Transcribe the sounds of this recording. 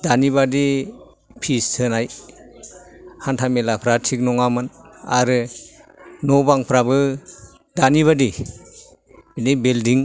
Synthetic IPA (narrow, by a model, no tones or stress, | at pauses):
d̥aniβadi | pʰistʰɯnaj | hantʰamelapʰɾatʰik̚nɔŋamɯnaɾɯ | nɔbaŋpʰɾabɯ | daniβadi | binejbeldiŋ